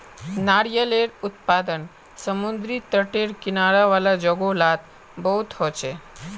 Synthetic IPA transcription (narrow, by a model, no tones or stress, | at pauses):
naɽjəleɽut̪pad̪ən | səmund̪ɾiːt̪əʈeɽkinaɽaʋalad͡ʑəɡolat̪ | bəɦut̪ɦot͡ɕe